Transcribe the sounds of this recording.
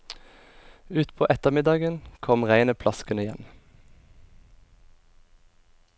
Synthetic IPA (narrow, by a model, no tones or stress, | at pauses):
ʉːt̪pʰoːʔɛt̪əmɪd̪ɑːɡənkʰɔmʁæɪnəpʰlɑskənɪjɛn